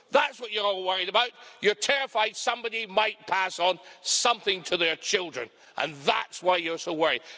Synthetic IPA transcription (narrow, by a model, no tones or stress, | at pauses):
ðætswʌt͡ʃə˞ɔlˠwɜɹɪɾəbaʊt͡ʃə˞tʰɛɹɨfaɪd̥sʌ̃mbɑɾimaɪt̚pʰæsn̩sʌ̃mθɪ̃ŋtʰəðə˞t͡ʃʰɪlˠdɹɨ̰̃n | ʔə̰̃nðætswaɪjə˞soʊwɜ˞ɪd̥̚